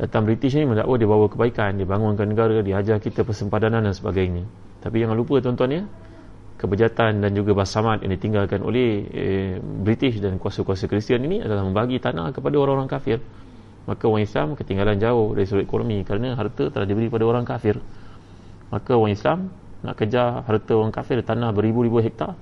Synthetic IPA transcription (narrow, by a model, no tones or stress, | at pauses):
dat̪ambɾit̪ɪʃ̬nimənda̰ʔwadibawakəbaikandibaŋʊnkanəɡaɾadiad͡ʒakit̪apərsəmpadanandansəbaɡajna | t̪apijaŋlup̬ət̪ɔnt̪uanɲə | kəbəd͡ʒat̪andand͡ʒuɡabasamat̪̚ja̰ŋdit̪iŋɡalkanʔo̰lɛh | bɾit̪ɪsdankuasakuasakɾist̪ianinia̰dalahməmbaɡit̪ana̰kəpadaoɾaŋoɾaŋkafɪr | makawaŋislamkət̪iŋɡaland͡ʒaʊhdaɾisəɾut̪ekono̰mikəɾanəɦart̪ət̪əlahdibəɾiəpadaoɾaŋkafɪr | makawaŋislam | na̰ʔkəd͡ʒaɦart̪əoɾaŋkafɪrt̪anahbəɾibuɾibuɦɛk̚t̪a